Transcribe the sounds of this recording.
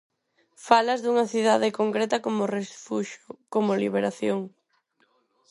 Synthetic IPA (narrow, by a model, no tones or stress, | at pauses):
falɐzðuŋɐθiðaðɪkoŋkɾet̪ɐkomorefuʃokomoliβeɾaθjoŋ